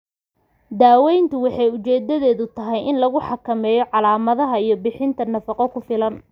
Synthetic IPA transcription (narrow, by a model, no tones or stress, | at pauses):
d̪aːwɛjnt̪ʰʊwɑħɑjʊt͡ʃɛːd̪ɐðɛːðʊt̪ʰɐɦɛjɪnlɐɣʊħɑkʰɐmɛːjɔʕɑlaːmɐðɐɦɐijɞbɪħɪnt̪ʰɐnɐfɑqɔkʰʊfɪlɐn